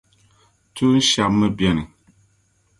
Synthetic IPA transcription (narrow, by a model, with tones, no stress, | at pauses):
tu˦n̩˦ʃa˨pmə˦bjɛ˨ni˨